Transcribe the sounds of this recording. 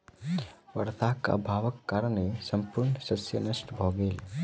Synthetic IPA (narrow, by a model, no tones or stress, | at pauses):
ʋɐɾt̪akːa̰bʱaːʋəkːaːɾəɳesɐmpuɾɳsəsjənəʃʈbʱɔɡel